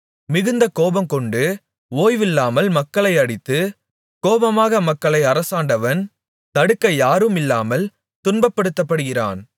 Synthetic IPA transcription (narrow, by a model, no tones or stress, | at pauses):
mɪɣɯnd̪ɐkoːbɐmkɔɳɖɯ | oːjʋɪlːaːmɐlmɐkːɐɭɐɪɐɽɪt̪ːɯ | koːbɐmaːɣɐmɐkːɐɭɐɪɐɾɐsaːɳɖɐʋɐn | t̪ɐɽɯkːɐjaːɾɯmɪlːaːmɐl | t̪ʊnbɐpːɐɽɯt̪ːɐpːɐɽɯɣɪra̰ːn